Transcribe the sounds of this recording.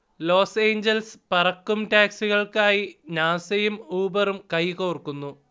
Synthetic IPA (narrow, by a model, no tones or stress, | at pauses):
lo̞ːse̞ːɲd͡ʑɐlspɐrɐkːumʈaːksiɣɐɭkaːjinaːsɐjumuːbɐrumkɐjko̞ːrkːunːu